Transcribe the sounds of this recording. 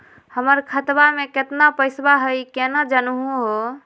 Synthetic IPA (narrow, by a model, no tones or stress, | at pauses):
həməɾkʰət̪bameket̪napəɪsbaɦəjkenad͡ʒənɦuɦo